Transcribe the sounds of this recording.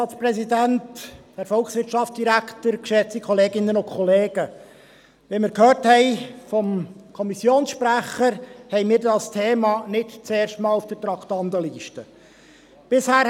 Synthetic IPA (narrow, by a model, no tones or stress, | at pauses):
ɑt͡spɾɛsidæntd̥əɾfɔlˠksʋɪɾtt͡ʃɑft͡sd̥iɾækʰtəɾkʃɛt͡sikʰɔleːɡɪnːənʊnkʰɔleːɡ̥ə | ʋɛmɪːɾkʰhøːɾthɛɪfɔmkʰɔmisjoːnsʃpɾæχəɾhɛɪmiːɾdɑstʰeːmɑnɪtt͡seːrʃtmɑːlufd̥ətɾɑkt̪ɑndəliːʃtə | b̥ɪshæː